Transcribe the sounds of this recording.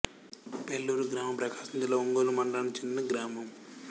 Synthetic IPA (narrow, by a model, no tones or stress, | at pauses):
pelːuːɾuɡɾaːmɐmpɾɐkaːsɐnd͡ʒ̪ilɐoŋɡoːlumɐɳɖaːnit͡ʃind̪inɐɡɾaːmɐm